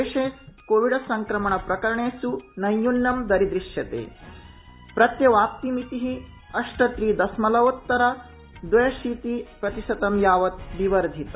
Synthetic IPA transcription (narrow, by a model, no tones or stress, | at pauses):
eːʂeːskoːʋiɖɐsɐŋkɾɐmɐɳɐpɾɐkɐɾɐɳeːsunɐjːunːɐmd̪ɐɾid̪ɾiʂjɐt̪ḛː | pɾɐt̪jɐʋaːp̚t̪imit̪iɦi | ɐʂʈɐt̪ɾiːd̪ɐsmɐlɐʋot̪ːɐɾɐ | d̪ʋɐjɐʃiːt̪ipɾɐt̪isɐt̪ɐmjaːʋɐt̪̚ʋiʋɐɾd̪ʱit̪ɐ